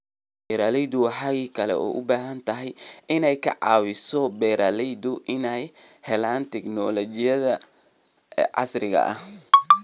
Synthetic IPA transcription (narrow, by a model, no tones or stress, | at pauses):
bɛɾalɛjd̪ʊwɑħɑɣiːkʰɐlɛ̰ʔɔ̰ːʔʊbaːɦɐnt̪ʰɐɦɛjɪnɛjkʰɐ̰ʕɑ̰ːwɪsɔbɛɾaːlɛjd̪ʊʔɪnɛj | hɛlaːnt̪ʰɛknɔlɔt͡ʃɪjɐðɐ | ʕɑ̰srɪɣɐ̰ʔɐ̰h